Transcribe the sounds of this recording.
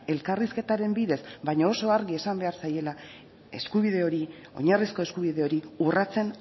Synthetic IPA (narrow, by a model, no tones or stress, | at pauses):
e̞lkariske̞t̪aɾe̞mbiðe̞sbajɲaoso̞aɾɣie̞sambe̞aɾsaje̞la | e̞̰skuβiðe̞o̞ɾi | o̞̰ɲarisko̞e̞skuβ̞ið̞e̞o̞ɾiurat͡se̞n